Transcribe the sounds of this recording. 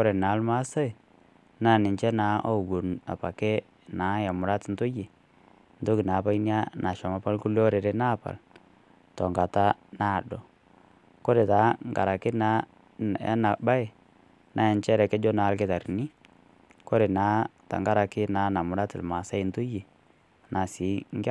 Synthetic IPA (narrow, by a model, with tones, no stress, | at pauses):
kɔ˦ɾe˨naː˨˦lma˦sa˦i˨ | naː˦˨nɪ˨nt͡ʃɛ˦na˨˦ʔɔ˦u˨ɡo˨na̰˨pa˨kɛ˦ | na˨˦ja˨mʊ˨ɾa˦tɪ˨n̩˦tʊ˦jɪ˨ | nto˦kɪ˨naː˨˦pa˦i˦ni˦a˦na˨ʃɔ˨ma˨˦pa˦lku˦lɔ˦ɾe˨ɾɛ˦na˦˨pa̰˨l | tɔ˨ŋɡa˨ta˦na˦˨dɔ˨ | ko˦ɾe˨ta˨˦ŋɡa̰˨ɾa˨kɪ˦na˨˦ | a̰˦na˨ba˦e˨ | na˨˦ɛ˨nt͡ʃɛ˦ɾɛ˨kɛ˦d͡ʒɔ˦na˨˦lkɪ˦ta˨ɾni˦ | ko˦ɾe˨naː˨˦ta̰˨ŋɡa˦ɾa˨kɪ˦naː˨˦na˨mʊ˨ɾa˦tɪ˨lma˨sa˦ɪ˨˦n˦to˦je˨ | na˨sɪ˨˦ŋ˦ɡ